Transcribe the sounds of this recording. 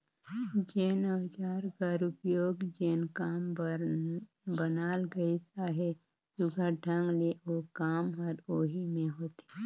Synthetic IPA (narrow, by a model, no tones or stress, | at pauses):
d͡ʒeːnəd͡ʒaːɾkaɾʊpjoːɡd͡ʒeːnkaːm | bənaːlɡəisaɦe | sʊɡʱaʈʰəŋɡleokaːmɦɔɾoːɦimẽɦoːt̪i̥